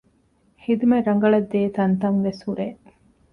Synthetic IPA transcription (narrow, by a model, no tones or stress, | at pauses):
hid̪umeɾɐŋɡɐɭɐd̪ːeːt̪ɐnt̪ɐŋʋeshuɾeː